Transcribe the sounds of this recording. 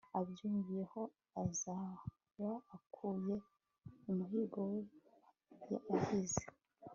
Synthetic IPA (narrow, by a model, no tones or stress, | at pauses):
abjuːmvije̞ho̞ | aza | βaːkʰuːje̞ | umuhiːɡo̞we | ja̰ʔahize